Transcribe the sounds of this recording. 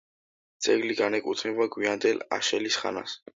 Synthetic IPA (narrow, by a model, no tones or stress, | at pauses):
t̪sʼɛɡliɡanɛkʼut̪ʰnɛbaɡwiand̪ɛla̰ʃɛlisχa̰na̰s